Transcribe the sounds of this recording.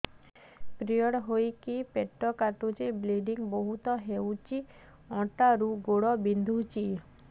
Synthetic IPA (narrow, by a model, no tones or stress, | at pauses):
pɾijɔɽɦojkipeʈːɔkat̪ut͡ʃebliɖiŋboɦut̪ɔɦewt͡ɕi | ɔ̃ʈaɾuɡoɽɔbind̪ʱut͡ʃi